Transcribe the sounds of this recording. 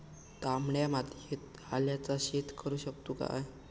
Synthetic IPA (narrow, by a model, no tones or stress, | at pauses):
t̪amɳjamad̪ʱet̪̚ | aljat͡saɕet̪kəɾuːɕək̚t̪uka̰j